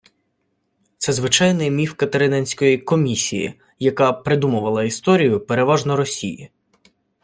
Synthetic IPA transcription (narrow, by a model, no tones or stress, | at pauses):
t̪sɛzʋɪt͡ʃɑjnɪjmʲiwkɐt̪eɾɪnɛnʲsʲkɔjikɔmʲisʲijḭ | jɐkɑpɾɪd̪umʊʋɐlˠɐist̪ɔɾʲijʊpe̞ɾe̞ʋɑʒnɔɾɔsʲiji